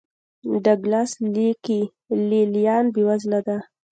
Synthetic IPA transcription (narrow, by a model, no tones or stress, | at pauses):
ɖaɡlasliki | lelijɑnbewazlad̪a